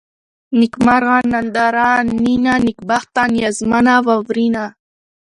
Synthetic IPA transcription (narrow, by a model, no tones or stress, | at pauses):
nɪkmɑɾɢɑnand̪aɾaːninanɪkbɑχt̪anjazmanawawɾina